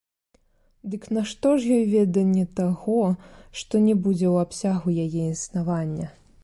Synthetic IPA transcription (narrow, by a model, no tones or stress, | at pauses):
d̪ɨknaʂt̪ɔʐjɔjvʲɛd̪ɐnʲːɛt̪aɣɔʂt̪ɔnʲɛbud͡zʲɛwapsʲaɣujajɛinsnavanʲːɐ